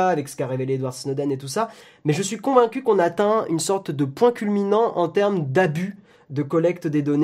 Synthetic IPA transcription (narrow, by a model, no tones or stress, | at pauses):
aːvɛksə̥kaʁeveleːd̪waʁsinɔd̪ɛnet̪usa | mɛʒəsɥikɔ̃vɛ̃kʲykɔ̃nat̪ɛ̃ynsɔʁt̪d̪əpwɛ̃kʲylminɑ̃ʔɑ̃t̪ɛʁmd̪aby | d̪əkɔlɛkt̪d̪ed̪ɔne